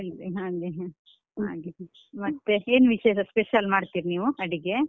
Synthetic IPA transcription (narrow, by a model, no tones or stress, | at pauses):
eɭiɦaːɡe | a̰ːɡe | mɐt̪ːeeːnʋiʃeːʃɐspeʃɐlmaːɖt̪iːɾniːʋuɐɽiɡe